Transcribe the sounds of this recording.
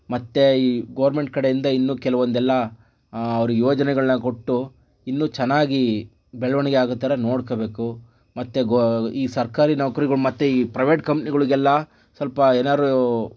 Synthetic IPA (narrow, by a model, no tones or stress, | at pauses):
mɐt̪ːe̞iɡɐʋɐɾme̞ɳʈ̚kɐɽejind̪ɐinːuːkɛlɐʋond̪ɛlːɐː | ʋɐɾujoːd͡ʒɐnɛɡɐɭɐnɐko̞ʈːu | inːuːt͡ʃɛnːaːɡi | bɛɭɐʋɐnɛɡeaːɡut̪ːaːɾɐnoːɽkobe̞ːku | mɐt̪ːeɡiːsɐɾkaːɾinɐʋɐkɐɾiɡɐɭumɐt̪ːeiːpɾɐjʋe̞ːʈkɐmpniɡɐɭuɡɛlːɐ | sɐlpɐeːnaːɾu